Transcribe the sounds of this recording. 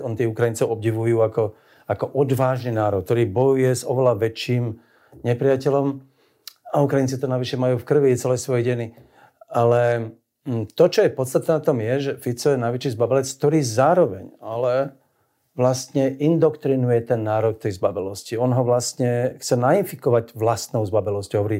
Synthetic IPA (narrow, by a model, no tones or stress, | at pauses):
ɔnt̪iːukɾajint͡sɛʊɔb̚ɟiʋujuːakɔ | akɔʔɔd̪ʋaːʒniːnaːɾɔk̚t̪ɔɾiːbɔjujɛzɔʋɛlaʋɛt͡ʃːiːm | ɲɛpɾɪacɛlɔm | aukɾajint͡sit̪ɔnaʋiʃɛmajuːfkr̩ʋit͡sɛlɛsʋɔjɛɟɛni | alɛ | t̪ɔt͡ʃɔjɛpɔt̪st̪at̪nɛːnat̪ɔmjɛʒɛfit͡sɔjɛnajʋɛt͡ʃiːzbabɛlɛt͡skt̪ɔɾiːzaːɾɔʋɛ̰ɲalɛ | ʋlast̪ɲɛʔind̪ɔkt̪ɾinujɛt̪ɛnːaːɾɔk̚t̪ɛjzbabɛlɔsciɔnɦɔʋlast̪ɲɛxt͡sɛnainfikɔʋaɟʋlast̪nɔʊzbabɛlɔscɦɔʋɔɾiː